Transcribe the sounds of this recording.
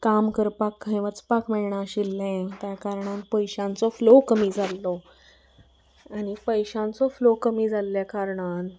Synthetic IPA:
kamkəɾpakːə̃j̃ʋət͡spakmɛɭɳaɕilːɛ̃t̪jakaɾɳãnpəjɕãnt͡sɔflokəmiːd͡zʱalːɔ | anipəjɕãnt͡sɔflokəmiːd͡zʱalːjakaɾɳan

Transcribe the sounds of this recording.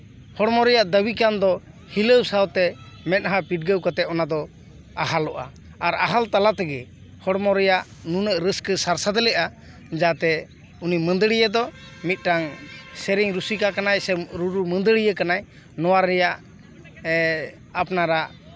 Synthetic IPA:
hɔɽmɔɾɛjaʔd̪əbikand̪ɔ | hiləwsawt̪ɛ | mɛt̪̚ɦãpiʈ̚ɡəwkɔt̪ɛɔnad̪ɔ | aɦalɔʔa̰ | aɾaɦalt̪alat̪ɛɡɛ | hɔɽmɔɾɛjaʔnunəʔɾəskəsaɾsad̪lɛʔa | d͡ʒat̪ɛ | unimənd̪əɽijəd̪ɔ | mit̪̚ˀʈaŋsɛɾiŋɾusikakanajsɛɾuɾumənd̪əɽijəkanaj | nɔwaɾːɛjaʔ | apnaɾaʔ

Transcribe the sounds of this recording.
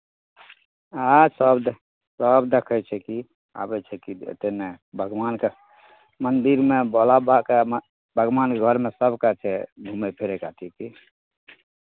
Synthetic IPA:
asəbd̪ | səbd̪ekʰət͡ʃʰɛki | a̰bɛt͡ʃʰɛkiḛt̪enebʱəɡwanke | mənd̪iɾmebɔlabake | bʱəɡʋankeɡʱəɾmesəbkat͡ʃʰɛbʱumepʰeɾekat̪ʰiki

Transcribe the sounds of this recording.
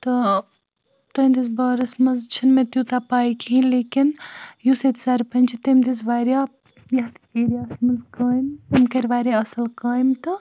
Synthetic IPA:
t̪ɐ | t̪ɐnd̪isbaːɾɐsmɐzt͡ʃʰinmẽt̪jut̪apaːjkʰĩnleːkinjuset̪i̥saːɾpɐnʲt͡ʃʰit̪ɐmd̪izʋaːɾja | jɐɦt̪eːɾijaːsmɐzkaːjmt̪ɐmkɐɾʋaːɾjaɐsɐlkaːjmt̪ɨ

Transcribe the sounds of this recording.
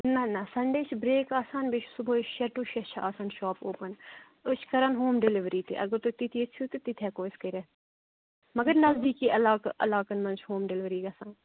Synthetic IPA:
nɐnɐsɐɳɖeːt͡ʃʰbɾeːkaːsaːnbet͡ʃʰsʊboːʃɛʈuːʃɛt͡ʃʰa̰ːsaːnʃɔːpoːpən | ʊt͡ʃʰkɐɾɐnɦoːmɖɪlɪʋɾiːt̪ḭʔɐ̰ɡəɾt̪ut̪it̪ʰiet͡ʃʰuːt̪et̪it̪ʰɛːkoːskɐɾɛ | mɐɡəɾnɐzd̪iːkiʔɐlaːkʔɐlaːkɐnmɐnt͡ʃʰɦoːmɖɪlɪʋɾiːɡɐːsaːn

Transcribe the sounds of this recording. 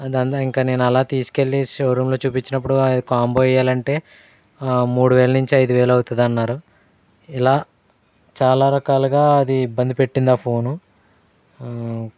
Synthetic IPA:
ɐd̪ɐnt̪aiŋkane̞ːnuɛlaːt̪iːsu̥ke̞ɭːiʃoːɾumlo̞ːt͡ʃuːpit͡ʃːinɐp̬ːuɽuɐd̪ikaːmboːjɐjaːlɐɳʈe̞ː | muːɽuʋe̞ːlɐnuɲt͡ʃiɐjd̪uʋeːlɐwt̪und̪ɐnːaːɾu | ilaː | t͡ʃaːlaːɾɐkaːluɡaːɐd̪iːbːɐnd̪ipe̞ʈːind̪aːpʰo̞ːnu

